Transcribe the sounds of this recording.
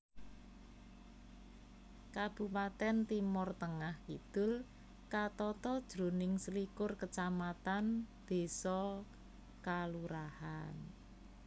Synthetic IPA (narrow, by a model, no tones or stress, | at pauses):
kab̥ṳpat̪ɛnt̪imʊrt̪əŋahkid̪̥ʊl | kat̪ɔt̪ɔd̥ʒ̥ɾo̤nɪŋslikʊrkət͡ʃamat̪anb̪̥e̤sɔ | kaluɾahan